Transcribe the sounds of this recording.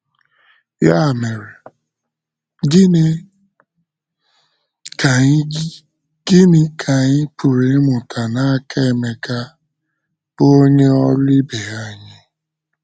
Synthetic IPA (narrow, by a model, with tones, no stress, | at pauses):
ja˦˨me˨ɾe˨˦˨ | ɡɪ˦nɪ˦kʰa˨ɲɪ˦pu˨ɾe˨˦mʊ˨tʰa˨na˦a˦kʰe˦e˨me˨ka˦ | b̥ʊ˦o˦ɲe˦ɔ˦li˦be˨a˨ɲɪ˦